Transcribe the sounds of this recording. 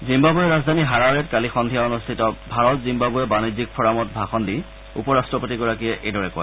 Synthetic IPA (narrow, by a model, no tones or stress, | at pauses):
zimbabuɛɹazdʱaniɦaɹaɹɛtkalixɔndʱijaɔnustʰitɔbʱaɹɔtzimbabuɛbanizik̚pʰɔɹamɔt̚bʱaxɔndi | ṵpɔɹastɹɔpotiɡɔɹakiɛʔejdɔɹɛkɔ̰j